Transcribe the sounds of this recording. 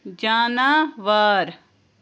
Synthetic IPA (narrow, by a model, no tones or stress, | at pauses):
d͡ʒaːnaːʋaːɾ